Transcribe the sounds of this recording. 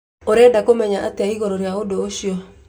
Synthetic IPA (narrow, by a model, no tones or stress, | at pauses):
oɾɛdakomɛɲaʔateaiɣɔɾoɾeaodoːɕiɔ